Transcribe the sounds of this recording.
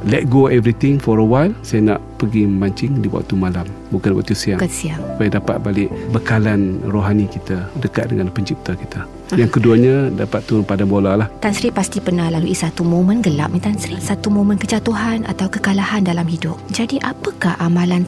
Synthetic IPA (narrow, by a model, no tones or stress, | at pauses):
lɛt̪̚ɡoɛvɾit̪ɪŋfɔɾəwajlsajana̰ʔpəɡiməmbaɲt͡ʃɪŋdibua̰ʔt̪ːumalam | bukanwa̰ʔt̪usiakəsiaŋsu̥pajadapa̰t̪̚balɪʔbəkalanroɦanikit̪adəkat̪̚dəŋanpəɲt͡ʃip̚t̪akit̪a | jaŋkəduaɲadapat̪ːunpadambolalaht̪ansɾipast̪ipənahlaluʔisat̪umõmə̃nɡəla̰p̚mət̪ansɾisat̪umõmənkət͡ʃat̪uɦana̰t̪awkəkalahandalamhidʊp̚d͡ʒadiʔapəkahʔamãlan